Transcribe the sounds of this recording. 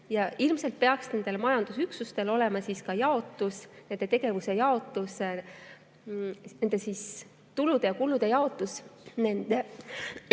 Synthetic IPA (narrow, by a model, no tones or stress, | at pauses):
jɑilmse̞lt̪̚pe̞ɑksne̞nd̪̥e̞lmɑjɑnd̪̥usyksust̪e̞lo̞lɛmɑsiskɑjɑo̞t̪ːˑusne̞nd̪̥e̞t̪e̞ɡ̥e̞vusejɑo̞t̪ːˑuse | ne̞nd̪esis | t̪ulud̪̥e̞jɑkulud̪̥ejɑo̞t̪ːˑusnend̪̥e